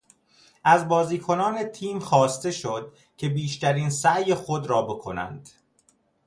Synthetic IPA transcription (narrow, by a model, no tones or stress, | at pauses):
ʔæzbɒːziːkʰo̞nɒːne̞t̪ʰiːmxɒːst̪e̞ʃod̪̥̚ | cʰe̞biːʃt̪æɾiːnsæʔjexod̪ɾɒːbo̞kʰo̞̰næ̰nd̪̥